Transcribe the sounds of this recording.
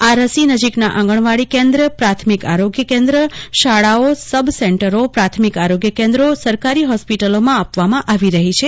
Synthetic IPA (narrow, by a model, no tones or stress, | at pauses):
aɾəsinəd͡ʒiknaʔãŋɡəɳ̃ʋaɭikẽnd̪ɾəpɾat̪ʰmika̰ɾoɡjəkẽnd̪ɾəʃaɭaosəbʱseɳʈəɾopɾat̪ʰmikaɾoɡjəkẽnd̪ɾosəɾkaɾiɦɔspiʈəlomãapʋamãʔaʋiɾəɦit͡ʃʰe